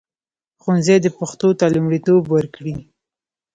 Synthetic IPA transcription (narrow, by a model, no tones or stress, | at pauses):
xunzed̪əpaxt̪ot̪alumɽit̪obwəɾkɽi